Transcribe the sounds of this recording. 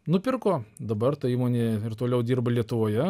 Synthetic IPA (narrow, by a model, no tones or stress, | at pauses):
nʊpʲɪrkoːd̪ɐbɐrt̪ɐiːmoːnʲeːɪrt̪oːlʲɛʊd̪ʲiːrbɐlʲiɛt̪ʊʋoːjɛ